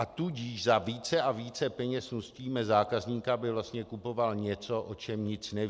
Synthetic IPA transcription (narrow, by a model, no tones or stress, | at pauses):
ʔat̪uɟiːʃzaviːt͡sɛʔaviːt͡sɛpɛɲɛsnusciːmɛzaːkazɲiːkabɪvlast̪ɲɛkupo̞valɲɛt͡so̞ʔot͡ʃɛmɲɪt͡snɛ